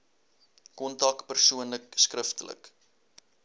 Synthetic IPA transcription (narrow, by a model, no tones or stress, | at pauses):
kɔntɐkpərsuənləkskrəftələ̰k